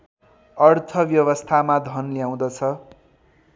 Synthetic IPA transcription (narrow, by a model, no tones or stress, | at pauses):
ʌrt̪ʰʌbjʌwʌst̪ʰamad̪ʱʌnljaw̃d̪ʌt͡sʰʌ